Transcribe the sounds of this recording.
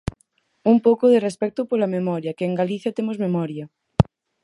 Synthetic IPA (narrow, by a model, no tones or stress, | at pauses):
umpokoðerespɛk̚t̪opoɾlamemɔɾjakeːŋɡaliθjat̪emozmemɔɾja